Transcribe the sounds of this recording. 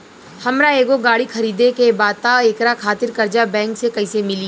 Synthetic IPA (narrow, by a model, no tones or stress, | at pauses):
hɐmɾaeːɡoɡaːɽixʰɐɾiːd̪ekebaːt̪aeːkɾakʰaːt̪ɪɾkɐɾd͡ʒabɛ̃ːŋksekɐisemɪli